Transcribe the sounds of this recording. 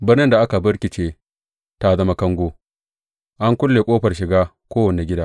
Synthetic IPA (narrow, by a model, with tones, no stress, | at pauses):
bɪ˦rnɪ˦nda˨ʔa˦ka˨bɐ˦ɽkʲɪ˨t͡ʃeː˦ | ta˦zɐ˦ma˦kɐ˦ŋɡʷoː˦ | ʔa˦ŋkʷʊ˦lːeː˨kʷʼoː˦ɸɐ˨rʃɪ˨ɡaː˦ | kʷoː˦wɐ˨ne˨ɡʲɪ˦daː˦